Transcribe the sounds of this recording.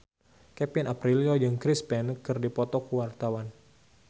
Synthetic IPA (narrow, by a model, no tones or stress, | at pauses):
kɛpinapɾiliod͡ʒɨŋkɾispɛnkɨrdipɔt̪ɔkuwart̪awan